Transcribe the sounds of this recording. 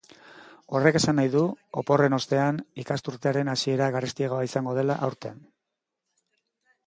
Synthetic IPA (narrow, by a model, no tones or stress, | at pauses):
o̞re̞ke̞sanːajðuopo̞re̞no̞st̪e̞anikast̪uɾt̪eaɾe̞nasie̞ɾaɣarest̪iaɣoaisaŋɡo̞ð̞e̞laʔawɾt̪e̞n